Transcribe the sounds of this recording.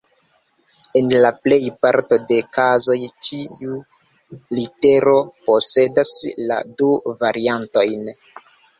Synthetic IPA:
e̞nlaple̞jpaɾto̞de̞kazo̞jt͡ʃiu | lite̞ɾo̞po̞se̞dasla̰duvaɾianto̞jn

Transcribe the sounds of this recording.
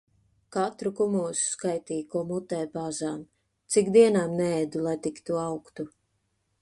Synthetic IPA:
kat̪ɾukumuɔsu̥skajt̪iːjkuɔmut̪ɛːjpaːzaːm | t̪sikd̪iɛnaːmnɛɛd̪ulˠajt̪ikt̪uawkt̪u

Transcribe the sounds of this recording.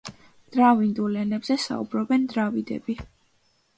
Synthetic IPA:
d̪̥ɾavind̪ulɛnɛbzɛsa̰ṵbɾɔbɛnd̪ɾavid̪ɛ̰bi

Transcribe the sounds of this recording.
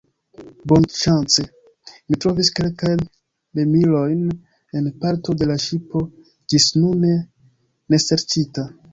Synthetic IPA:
bonʃant͡se | mitɾo̞viske̞lkajn | lemilo̞jn | e̞npaɾto̞de̞laʃipo̞ | d͡ʒisnune̞ | ne̞se̞ɾt͡ʃita

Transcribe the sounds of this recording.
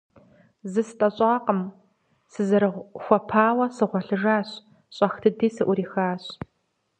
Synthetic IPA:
zɨsɨtʼɐɕʼɑːqəm | sɨzɨɾɨʁʷxʷɔpʰaːwɐsɨʁʷɔɬɨʐaːɕ | ɕʼɐxtʰɨdiːsɨʔʷʊɾiːxaːɕ

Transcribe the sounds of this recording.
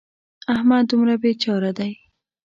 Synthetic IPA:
ahmad̪umɾabet͡ʃɑɾad̪aj

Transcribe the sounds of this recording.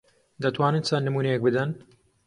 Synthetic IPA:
d̪ɐt̪waːnɨnt͡sɐnːɨmuːnejek̚bɨd̪ɐn

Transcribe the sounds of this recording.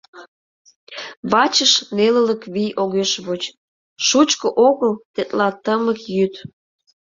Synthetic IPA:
βɑt͡ɕəʃnelələkβijʔoɣeʃβot͡ɕ | ʃut͡ɕkoʔoɣəlt̪et̪lɑt̪əməkjyt̪

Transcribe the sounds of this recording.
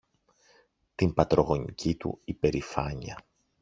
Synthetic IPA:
t̪impɐt̪ɾo̞ɣo̞ɲḭcʰit̪ṵipe̞ɾifɐɲiɐ̰

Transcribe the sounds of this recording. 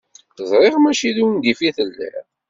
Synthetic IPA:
θəzˤɾˤɪʁmæʃiðiwnd̪ifiθəlːæ̰

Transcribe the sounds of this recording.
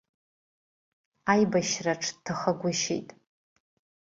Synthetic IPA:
ajbaʃraʈ͡ʂʰtʰaχaɡʷʊʃḛjtʼ

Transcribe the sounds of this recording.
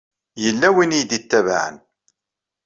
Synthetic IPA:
jəlːæwinijd̪it̪ːæv̰ʕə̰n

